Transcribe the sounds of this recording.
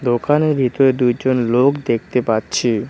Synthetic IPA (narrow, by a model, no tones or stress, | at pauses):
d̪okanebʱit̪oed̪ujd͡ʑonlokd̪ek̚ʰt̪epatːɕʰi